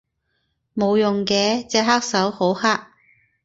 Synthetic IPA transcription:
mo˨˧wjʊ˨ŋkɛː˧t͡sɛː˧ɦaː˥k̚sɐ˨˥who˨˥whaː˥k̚

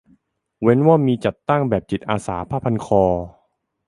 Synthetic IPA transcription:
we˦˥nwaː˥˩miː˧t͡ɕa˨˩t̪ːa˥˩ŋbɛː˨˩p̚t͡ɕi˨˩t̪̚ʔaː˧sa̰ː˩˦pʰaː˧˥˩pʰa˧nkʰɔː˧

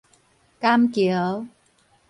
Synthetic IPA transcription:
kaː˧mki˨˩˦ə˦w

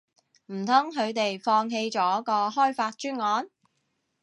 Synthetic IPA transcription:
m̩˨˩t̪ʰʊ˥ŋɦɵ˨˧ɥt̪e˨jfɔː˧ŋɦe˧jt͡ʃɔː˨˥kɔː˧ɦɔː˥jfaː˧t̚t͡ʃyː˥nŋɔː˨˧n

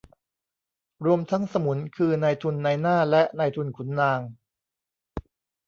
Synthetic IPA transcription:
ɾu˧əmt̪ʰa˦˥ŋsa˧mu˩˦nkʰɯː˧naː˧jt̪ʰu˧nːa˧jnaː˥˩lɛ˦˥ʔnaː˧jt̪ʰu˧nkʰu˩˦nːaː˧ŋ

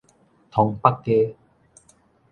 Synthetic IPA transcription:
t̪ʰɔ˨˧ŋpa˦kːe˦

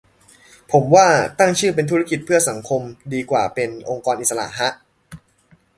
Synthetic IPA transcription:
pʰo˩˦mwaː˥˩t̪a˥˩ŋt͡ɕʰɯː˥˩p̬e˧nt̪ʰu˦˥ɾa˦˥ki˨˩t̪̚pʰɯ˥˩ɐsa˩˦ŋkʰo˧mdiː˧kwa̰ː˨˩pe˧nʔo˧ŋkɔː˧nʔi˨˩sa˧la̰˨˩ʔɦa˦˥ʔ

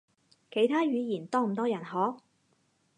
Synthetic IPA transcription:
kʰe˨˩jt̪ʰaː˥ɥyː˨˧jiː˨˩nt̪ɔː˥m̩˨˩t̪ɔː˥jɐ˨˩nɦɔː˨˥

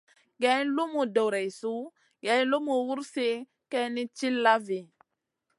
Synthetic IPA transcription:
ɡɛ˨˦n˦lu˦mu˨do˨wɾɛ˨su˦ | ɡɛ˨˦lo˦mu˨wu˦ɾse˦ | kɛ˦ni˦t͡ʃi˦lːa˦vi˨

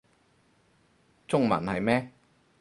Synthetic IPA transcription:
t͡sʊ˥ŋmɐ̰˨˩nhɐ˨jmɛː˥

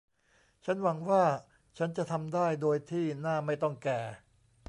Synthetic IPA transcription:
t͡ɕʰa˦˥nwa˩˦ŋwaː˥˩ | t͡ɕʰa˦˥nt͡ɕa˨˩ʔt̪ʰa˧mdaː˥˩jdoː˧jt̪ʰiː˥˩naː˥˩ma˥˩jt̪ɔ˥˩ŋkɛː˧˩

